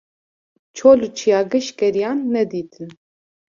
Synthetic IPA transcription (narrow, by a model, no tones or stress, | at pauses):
t͡ʃʰoːlut͡ʃʰijɑːɡɨʃkɛɾijɑːnːɛd̪iːt̪ʰɨn